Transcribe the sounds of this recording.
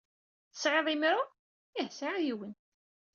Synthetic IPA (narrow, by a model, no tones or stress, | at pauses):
ə̥sʕeðˤimɾʊ | ihsaʕæjiwən